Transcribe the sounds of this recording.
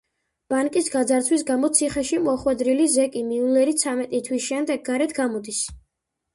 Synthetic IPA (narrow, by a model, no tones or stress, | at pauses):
b̥aŋkʼisɡad̪zaɾt̪sʰwis̬ɡamɔt̪sʰiχɛʃimɔχwɛd̪ɾilizɛkʼimiulɛɾit̪sʰamɛt̪ʼit̪ʰwisʃɛmd̪ɛɡ̚ːaɾɛt̪ʰɡamɔd̪is